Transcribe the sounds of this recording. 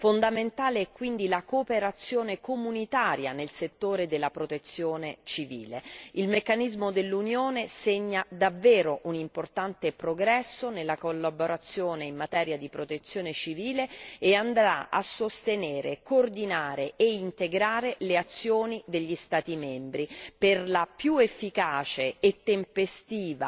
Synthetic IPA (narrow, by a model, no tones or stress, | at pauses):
fond̪ament̪aːleɛkːwind̪ilakoːpeɾat̪sːjoːnekomunit̪aːɾja̰nelset̪ːoːɾed̪elːapɾot̪et̪sːjoːnet͡ʃivḭːleilmekːanizmod̪elːunjoːneseɲːad̪avːɛːɾoʔunimport̪ant̪epɾoɡɾɛsːonelːakolːaboɾat̪sːjoːneimːat̪ɛːɾjad̪ipɾot̪et̪sːjoːnet͡ʃiviːleːand̪ɾa̰a̰sːost̪eneːɾekoːrd̪inaːɾeeint̪eɡɾaːɾeleat̪sːjoːnid̪eʎːist̪aːt̪imɛmbɾiperlapjuefːikaːt͡ʃeːt̪ːempest̪iːva̰